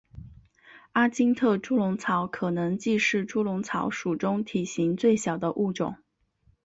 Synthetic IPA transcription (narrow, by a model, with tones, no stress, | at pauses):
a˥t͡ɕi˥ŋt̪ʰɤ˥˩ʈ͡ʂu˥lʊ˧˥ŋt͡sʰɑ˧˥ʊkʰɤ˨˩nɤ˧˥ŋt͡ɕi˥˧ʂɻ̩˥˩ʈ͡ʂu˥lʊ˧˥ŋt͡sʰɑ˧˥ʊʂu˨˩ʈ͡ʂʊ˥ŋt̪ʰi˨˩ɕi˧˥ŋt͡swe˥˩ɪɕjɑ˨˩ʊd̪ə˦ʔu˥˩ʈ͡ʂʊ̰˨˩˦ŋ